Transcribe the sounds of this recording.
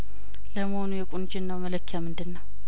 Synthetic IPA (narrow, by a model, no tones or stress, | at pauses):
ləmonujɛkʼʊnd͡ʒɪnːawmələkʰːjamɨnd̪ɨnːaw